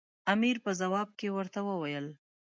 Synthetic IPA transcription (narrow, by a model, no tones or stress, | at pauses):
amiɾpəzawɑb̚kewəɾt̪awəwajəl